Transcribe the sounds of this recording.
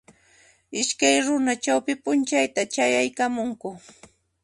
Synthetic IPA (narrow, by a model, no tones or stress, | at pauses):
ɪʃkajɾʊnat͡ʃawpɪpʊnt͡ʃajt̪at͡ʃajajkamʊŋkʊ